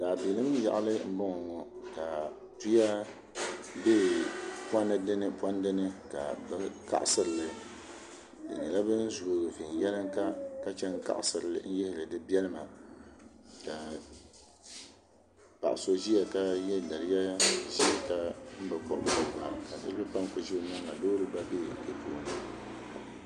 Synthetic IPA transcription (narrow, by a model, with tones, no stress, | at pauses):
daː˨bi˨lɨ˦m˦ja̰˨ʔa˦lɨ˦m̩˦bʊ˦ŋɔ˨ŋɔ˨ka˨ | tu˦ja˦ | beː˦pa˦nɨ˦dɨ˦nɨ˦pa˦n˦dɨ˦nɨ˦ka̰˨bɨ˦ka̰˦ʔsɨ˦ɾɨ˨lɨ˨ | dɨ̰˨nɨ˨la˦bɨ˦n̩˦zu˨o˨fi˨n˨jɛ˦lɨ˦ŋka˦ka˦t͡ʃɛ˦ŋ˦ka̰˦ʔsɨ˨ɾɨ˨lɨ̰˨˦n̩˦jɪ˦hɪ˨lɨ˨dɨ˦bi˦ɛ˦lɨ˦ma˨ | ka˨ | pa̰˨ʔa˨so˦zi˦ja˨ka˦jɛ˦˨na˨ɾɪ˦ja˦ja˦˨zi˦ka˦m̩˦bɨ˨kɔ̰˨ʔdɨ˦˨ba̰˨ka˨dɨ̰˦bɨ˦pa˦m˨ko˨ʒi˦nɨ˦ŋ˨a˨doː˦ɾɨ˦ba˦beː˦˨kɨ˨pʰoː˨˦˨nɨ˨